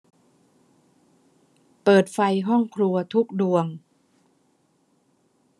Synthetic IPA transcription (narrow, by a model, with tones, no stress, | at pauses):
pɤː˨˩t̪̚fa˧jɦɔ˥˩ŋkʰɾu˧ɐt̪ʰu˦˥k̚du˧əŋ